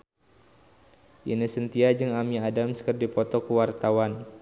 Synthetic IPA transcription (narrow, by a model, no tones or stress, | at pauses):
ʔinisənt̪iad͡ʒɨŋamiadamsə̥kərdipɔt̪ɔkəwart̪awan